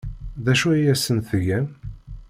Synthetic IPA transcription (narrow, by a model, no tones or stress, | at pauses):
ðæʃuæjæsənθʝæn